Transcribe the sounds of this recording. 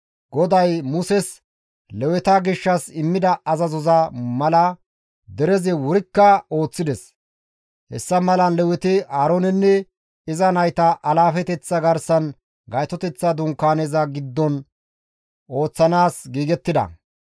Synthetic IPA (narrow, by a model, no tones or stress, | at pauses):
ɡ̥ɔd̪ɐjmʊsɛs | lɛwɛt̪ɐɡɪʃːɐsɪmːɪd̪ɐɐzɐzɔzɐmɐlɐ | d̪ɛɾɛzɪwɔɾɪkːɐo̞ːt͡sːɪd̪ɛs | hɛ̰sːɐmɐlɐnlɛwɛt̪ɪaːɾonɛnːɛ | ɪzɐnɐjt̪ɐʔɐlaːfɛt̪ɛt͡sːɐɡɐɾsɐn | ɡɐjt̪ɔt̪ɛt͡sːɐd̪ʊŋkːaːneːzɐɡɪd̪ːɔn | ʔo̞ːt͡sːɐnaːsɡiːɡɛt̪ːɪd̪ɐ̰